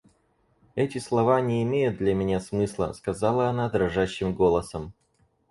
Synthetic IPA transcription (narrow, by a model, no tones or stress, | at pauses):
ɛtʲɪslˠɐvanʲɪːmʲejʊt̪̚d̪lʲəmʲɪnʲasmɨslˠə̰skɐzɑlˠəɐnad̪ɾɐʐaɕːɪmɡo̞lˠəsəm